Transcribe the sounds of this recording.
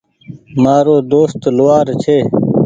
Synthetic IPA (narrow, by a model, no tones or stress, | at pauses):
maːɾoːd̪oːst̪luwaːɾt͡ɕʰeː